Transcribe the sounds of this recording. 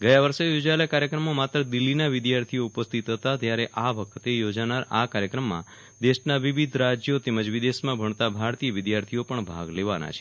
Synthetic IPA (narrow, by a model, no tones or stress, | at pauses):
ɡəjaʋəɾsejod͡ʒaelekaɾjəkɾəmomat̪ɾəd̪ɪlːinaʋɪd̪jaɾt̪ʰijoupəst̪ʰit̪ɦət̪at̪jaɾeʔaʋəkʰt̪ejod͡ʒanaɾa̰kaɾjəkɾəmːã̰ | d̪eʃnaʋiʋid̪ʱɾad͡ʒjot̪eməd͡ʒʋid̪esmãbʱəɳt̪abʱaɾt̪ijəʋɪd̪jaɾt̪ʰijopəɳbʱaɡleʋana̰t͡ʃʰe̥